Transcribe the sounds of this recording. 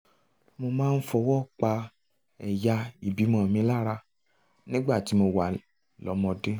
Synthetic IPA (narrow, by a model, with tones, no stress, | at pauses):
mo˧mãː˦˧n̩˦fɔ˧wɔ˦˨k͡pa˧ | ɛ˨ja˧i˨bi˨˦mɔ̃˨mĩ˧˦la˦ɾa˧ | nĩ˦ɡ͡ba˦˨ti˨˦mo˧wa˨ | lɔ̰˨˦mɔ̃˧de˦